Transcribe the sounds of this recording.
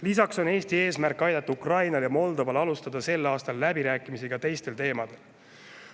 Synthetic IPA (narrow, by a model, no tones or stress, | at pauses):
lisɑkso̞ne̞ːst̪ie̞ːsmærkːɑjd̪ɑt̪ːˑuukrɑjnɑljɑmo̞ld̪o̞vɑlɑlust̪ɑd̪̥ɑse̞lːɑːst̪ɑlːæbiɾæːkːˑimisiɡ̥ɑt̪e̞jst̪e̞lt̪e̞ːmɑd̪̥e̞l